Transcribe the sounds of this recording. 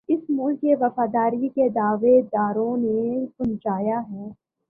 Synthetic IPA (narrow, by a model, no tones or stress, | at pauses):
ɪsmʊlkeʋɐfaːd̪aːɾiked̪aːʋed̪aːɾõnekʊnt͡ʃaːjaɦɛː